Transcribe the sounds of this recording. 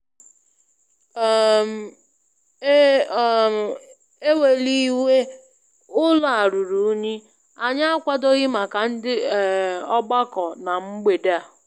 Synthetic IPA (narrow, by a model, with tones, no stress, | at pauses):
m̩˨˦˨ | e˦we˨li˦we˦ | ʊ˦la˨a˨ɾu˨ɾu˨˦ɲi˦ | a˨ɲa˦a˦kʷa˦do˦ɣɪ˦ma˨ka˨n̩˦dɪ˦˨ɔ˦ɡ͡ba˦kɔ˨na˨ŋ͡m̩˦ɡ͡be˨de˦a˨